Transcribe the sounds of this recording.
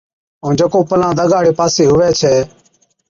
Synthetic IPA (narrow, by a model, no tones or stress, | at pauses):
õːnd͡ʒəkoːpəlãːd̪əɡaːɽeːpaːseːɦʊʋɛːt͡ʃʰɛː